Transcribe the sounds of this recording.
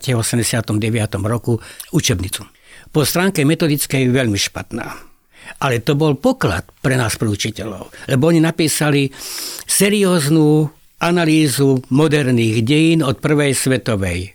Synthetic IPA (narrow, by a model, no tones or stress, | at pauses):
cɛɔsɛmɟɛsɪat̪ɔmɟɛʋɪat̪ɔmɾɔkuut͡ʃɛbɲit͡su̥ | pɔst̪ɾaːŋkɛmɛt̪ɔd̪it͡skɛjʋɛʎmiʃpa̰t̪na̰ː | ʔalɛt̪ɔbɔlpɔkla̰t̪pɾɛnaːspɾɛut͡ʃicɛlɔ̰ʊlɛbɔɔɲinapiːsalisɛɾiɔːznuː | analiːzumɔd̪ɛɾniːɣɟɛjinɔt̪̚pr̩ʋɛjsʋɛt̪ɔʋɛj